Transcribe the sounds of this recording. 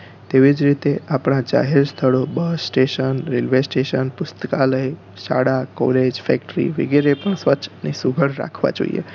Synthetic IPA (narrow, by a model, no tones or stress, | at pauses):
t̪eʋid͡ʒɾit̪eapɽ̃ãd͡ʒa̰ɦeɾst̪ʰəɭobəsːʈeʃənɾelʋesʈeʃənpʊst̪əkaləe | ʃa̰ɽako̰led͡ʒfɛk̚ʈɾḭʋɪɡiɾepəɳsʋəːt͡ʃʰnisuɡʱəɽɾa̰kʰʋã̰d͡ʒo̰ḭjḛ